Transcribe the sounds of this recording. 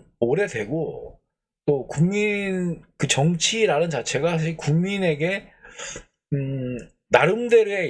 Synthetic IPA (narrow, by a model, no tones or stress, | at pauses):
oɾe̞dwe̞̰ɡo | t͈okuŋminkɯt͡ɕʌŋt͡ɕʰiɾanɯnt͡ɕat͡ɕʰe̞ɡasʰaɕʰiɭkuŋmine̞ɡe̞ | ɯ | naɾɯmdeɾe